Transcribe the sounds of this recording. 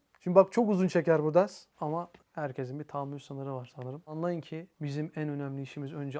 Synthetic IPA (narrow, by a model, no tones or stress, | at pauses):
ʃimd̪ibak̚t͡ʃʰo̞kuzunt͡ʃʰecæɾbuɾd̪asamahæɾcʰe̞sinbit̪ʰamysanɯɾɯvaɾsanɯɾɯmanlˠajɯncʰibizimænø̞næmlʲiiʃimizø̞nd͡ʒɛ